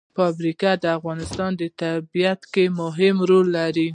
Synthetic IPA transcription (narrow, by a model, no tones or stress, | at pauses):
fɑbɾikad̪əafɣɑnɪst̪ɑnd̪ət̪abijat̪kemʊɦɪmɾolːaɾi